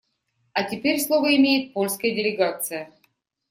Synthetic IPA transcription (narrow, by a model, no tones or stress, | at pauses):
ɐtʲɪpʲeɾʲslˠovəɪmʲejɪt̪̚polʲskəjədʲɪlʲɪɡat̪sɨjə